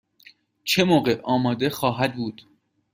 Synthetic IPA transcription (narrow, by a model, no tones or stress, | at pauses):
t͡ʃʰemoːɢeʔɒːmɒːd̪exɒːɦæd̪̚buːd̪̥